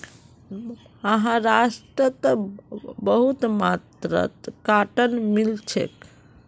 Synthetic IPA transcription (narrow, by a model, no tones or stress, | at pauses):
əɦãɾasʈɾət̪əbəɦut̪mat̪ɾə̰t̪kaʈənmilt͡ʃʰḛk